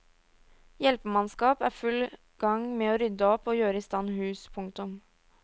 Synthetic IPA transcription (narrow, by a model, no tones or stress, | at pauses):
jɛlpəmɑnskɑːpæːɾfʉl | ɡ̥ɑŋmeːoːɾʏd̪əɔpːoːjøːɾəɪst̪ɑnːhʉːspʰʊŋt̪ʊm